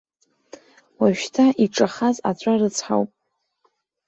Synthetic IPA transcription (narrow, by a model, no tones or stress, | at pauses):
waʒᶣtʰaʔiʈ͡ʂʼaχaza̰t͡ɕʷʼarɨt͡sʰħa̰wpʼ